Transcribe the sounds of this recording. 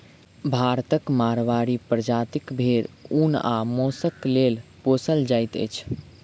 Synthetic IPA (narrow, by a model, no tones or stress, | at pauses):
bʱaɾt̪əkmaɾʋaɾipɾəd͡ʒat̪ikbʱeɾuna̰mosəklelposəld͡ʒajt̪ə̰jt͡ʃʰ